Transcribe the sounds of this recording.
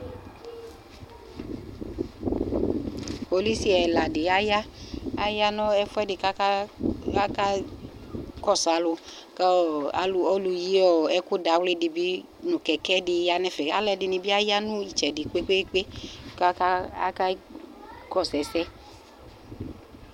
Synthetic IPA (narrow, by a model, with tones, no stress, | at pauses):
po˨li˦si˦ɛ˨la˨dɪ˨a˦ja˦a˦ja˦nɔ̃˦ɛ˦fɛ˦dɪ˨ka˦ka˦a˦ka˦ | kɔ˦˨sa˨lʊ˧ | ka̰˨lɔ˦lu˧ji˦ɔ˨ɛ˦kʊ˦da˨˦wle˦dɪ˨bi˦ | nũ˨kɛ˨kɛ˦dɪ˨ja˨nɛ˦fɛ˨a˨lɛ˨dɪ˨ni˨bi˦a˦ja˦nũ˦i˨t͡ʃɛ˨dɪ˨k͡pe˦k͡pe˦k͡pe˦ka˦ka˦a̰˦ka˦ | kɔ˦˨sɛ˨sɛ˦